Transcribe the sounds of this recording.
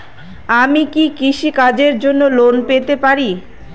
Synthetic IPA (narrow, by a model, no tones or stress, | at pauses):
amikikiʃikad͡ʑeɾd͡ʑonːolonpet̪epaɾi